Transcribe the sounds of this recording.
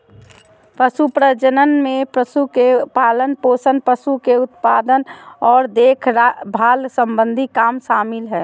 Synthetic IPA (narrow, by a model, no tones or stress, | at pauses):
pəsupɾəd͡ʒənənmẽpɾəsukepaːlənpoːsənpəsukeʊt̪pad̪ənɔːɾd̪eːkʰɾbʱaːlsə̃mbə̃nd̪ʱikaːmʃaːmɪlɦɛː